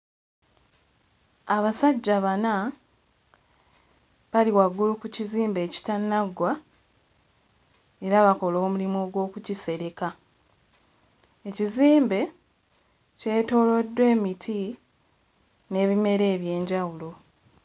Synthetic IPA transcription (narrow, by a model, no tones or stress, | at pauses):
aβasaɟːaβana | βaliwaɡːulukuciziːmbe̞ːci̥tanaɡwa | e̞ɾaβako̞lo̞ːmulimoːɡwo̞ːkucise̞ɾe̞ka | e̞ciziːmbe̞ | ce̞ːto̞lo̞dːwe̞ːmitʰi | ne̞ːβime̞ɾe̞ːβje̞ːɲɟawulo̞